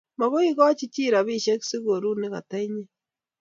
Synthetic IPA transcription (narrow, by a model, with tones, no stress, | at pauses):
ma˨ɣo˦i˦ɣa˦a˦t͡ʃi˦t͡ʃi˦ɾa˨βi˦ʃe˦ksi˦ɣoɾu˦ne˦ɣa˨ta˦i˦ɲe˦